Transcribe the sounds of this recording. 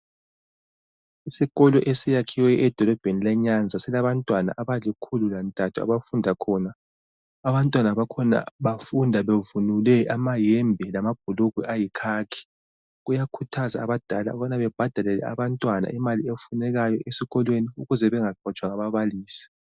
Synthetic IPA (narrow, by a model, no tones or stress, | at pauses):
isiɣɔlɔʔesijakʰiwɛɛd̥ʱɔlɔb̥ʱenilɛɲand͡zʱasɛlaβantʼwana̰ʔaβalikʰululantʼatʰua̰βafundʱakʰɔnaː | βantʼwanaβakʰɔna̰βafundʱaβevunulɛʔamajɛmbʱɛlamab̥̚ʱuluɣwɛʔajikʰaːkʰi̥ | ɣujakʰutʰazaːβad̥ʱala̰ɔβanaβɛb̥ʱad̥ʱalɛlɛ̰a̰βantʼwana̰ʔimaliefunɛɣajɔʔesiɣɔlweniuɣuzɛβɛŋaɡ͡ǃʱɔt͡ʃʼwaŋaβaβaliːsi̥